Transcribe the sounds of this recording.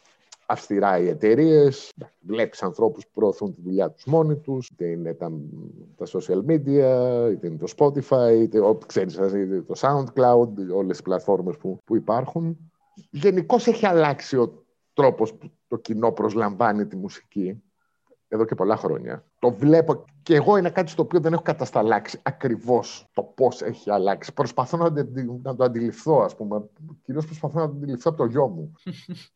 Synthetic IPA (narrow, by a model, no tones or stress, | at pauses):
ɐfst̪iɾɐie̞t̪e̞ɾie̞s | vle̞pisɐnθɾo̞puspu̥pɾo̞ːθunt̪iðuʎɐt̪u̥zmo̞nit̪ust̪eine̞t̪ɐt̪ɐsosiɐlmid̪iɐit̪einet̪ospo̞t̪ifɐiit̪eokseɾisɐsit̪et̪o̞sɐund̪klɐwd̪o̞lesi̥splɐt̪fo̞ɾme̞spupuipɐɾxun | ʝe̞niko̞seçiɐlɐksio̞ | t̪ɾo̞po̞sput̪o̞cino̞pɾo̞zlɐɱvɐnit̪imusi̥ci | eðo̞ce̞po̞lɐxɾo̞̰ɲɐ̰t̪o̞vle̞po̞ | ceeːɣo̞inekɐt̪i̥st̪oːpio̞ðe̞ne̞xo̞kɐt̪ɐst̪ɐlɐksiɐkɾivo̞st̪o̞po̞se̞̰çiɐlɐksi̥pɾo̞spɐθonɐd̪d̪nɐd̪oɐnd̪ilifθo̞ɐspume̞ciɾio̞spɾo̞spɐθonɐnd̪ilifθoɐpot̪o̞ʝo̞mu